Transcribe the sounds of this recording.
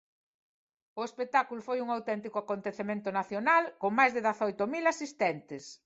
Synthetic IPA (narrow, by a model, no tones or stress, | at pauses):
ʊespek̚t̪akulʊfojuŋawt̪ɛnt̪ikʊakont̪eθemẽnt̪ʊnaθjonalkoŋmajzðɪðaθɔjt̪ʊmilasist̪ɛnt̪ɪs